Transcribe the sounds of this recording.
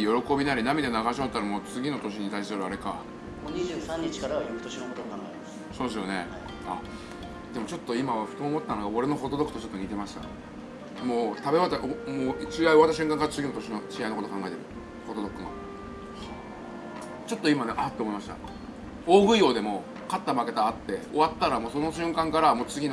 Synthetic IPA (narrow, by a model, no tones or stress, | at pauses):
jo̞ɾo̞ko̞bʲinaɾʲinamʲid̪e̞naɣaɕoat̪ːaɾamo̞ːt͡sɨɡʲino̞t̪o̞ɕ̬iɲ̟it̪ais̬ɨɨɾɯ̟aɾe̞ka | oɲiʑɨːsãɲ̟ːit͡ɕi̥kaɾaβajokɯ̟t̪oɕinokot̪ookãŋɡaemas | soːd̪es̬ɨjo̞̰ne̞ | a | d̪̥e̞mo̞t͡ɕo̞t̪ːo̞imaβaɸɯ̟t̪oːmo̞t̪ːanoɡaoɾe̞no̞ɦo̞d̪o̞d̪o̞kɯ̟t̪ot͡ɕot̪ːoɲ̟ʲit̪e̞maɕi̥t̪a̰ | moːt̪abe̞βat̪ːaʔomoːt͡ɕiɡaio̞at̪ːaɕ̬ɨ̟̃ŋkãŋkaɾat͡sɨɡʲinot̪oɕinot͡ɕiainokot̪okãŋɡae̞t̪e̞ɾɯ̟ | ho̞d̪o̞d̪o̞kːɯ̟ŋa̰ | t͡ɕo̞t̪ːo̞imane̞ʔat̪ːeːmoimaɕi̥t̪a̰ | o̞ːɡɯ̟io̞ːd̪e̞mo̞ | kat̪ːamake̞t̪aːt̪ːe̞o̞βat̪ːaɾamoːso̞noɕɨ̃ŋkãŋkaɾamoːt͡sɨɡʲin